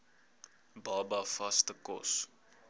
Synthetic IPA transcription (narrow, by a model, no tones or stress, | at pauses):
bɑːbɐfɐstəkɔ̰s